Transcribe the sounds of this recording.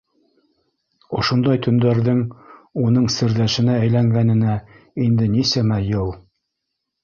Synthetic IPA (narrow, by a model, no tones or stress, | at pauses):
ŏʃŏnd̪ɑjt̪ʰɵ̆nd̪æɾðɘŋunɤɴsɘ̆ɾðæʃɘ̆nææjlæŋɡænɘ̆næ | ind̪ɘnisæmæjɤw̪ˠ